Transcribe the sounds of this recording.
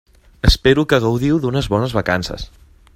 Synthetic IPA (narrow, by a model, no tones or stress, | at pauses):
əspeɾukəɣəwðiwðunəzβɔnəzβəkansə̰s